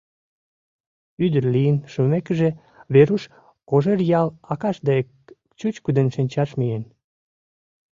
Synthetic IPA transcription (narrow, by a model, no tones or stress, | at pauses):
yd̪ərlijənʃumekəʒe | βeɾuʃ | koʒerjɑlɑkɑʃd̪eek | t͡ɕut͡ɕkud̪enʃinʲt͡ɕɑʃmien